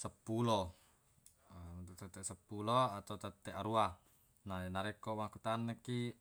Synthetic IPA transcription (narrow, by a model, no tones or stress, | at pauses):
səpːulɔ | t̪ut̪ət̪ːɛʔsəpulɔat̪aut̪at̪ːɛʔaɾua | nanaɾɛkɔmakut̪anːeki